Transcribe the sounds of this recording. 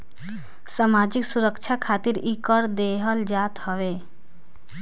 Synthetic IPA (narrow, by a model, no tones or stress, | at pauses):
samad͡ʒiksuɾəkt͡ʃʰakʰat̪iɾikɔɾd̪eɦəld͡ʒat̪ɦɔʋe